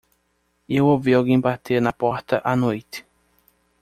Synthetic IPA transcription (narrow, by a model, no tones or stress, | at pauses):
ewowviawɡẽj̃bat̪eɾnɐpɔɾt̪ɐʔanojt̪ɪ̥